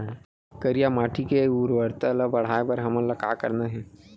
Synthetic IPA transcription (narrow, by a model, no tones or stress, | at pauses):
kəɾijamaːʈʰikeuːɾʋəɾt̪ələbɐɽ̤aebəɾɦɐməlɐka̰ːkə̰ɾnaɦɛ